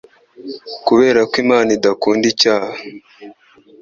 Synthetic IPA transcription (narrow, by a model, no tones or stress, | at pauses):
kuβe̞ːɾakwimaːnidakuːndicaːha